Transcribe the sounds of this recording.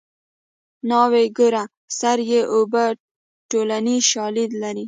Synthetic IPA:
nɑweɡoɾa | saɾjeʔoba | ʈolaniʃɑlid̪laɾi

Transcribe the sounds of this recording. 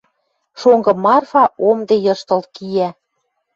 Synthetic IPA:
ʃoŋɡɤ̆mɑrfɑomd̪ejɤ̆ʃt̪ɤ̆lt̪̚kijæ

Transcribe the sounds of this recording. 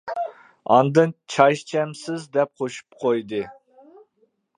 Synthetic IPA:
ɑ̰nd̪ɨnt͡ʃʰɑʃt͡ʃʰɛmsɪzd̪ɛp̚qʰoʃu̥p̚qʰojd̪ɨ

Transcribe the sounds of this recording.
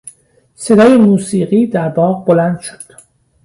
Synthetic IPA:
se̞d̪ɒːje̞muːsiːʁiːd̪æɾbɒːʁbo̞lænd̪ʃo̥d̪̥

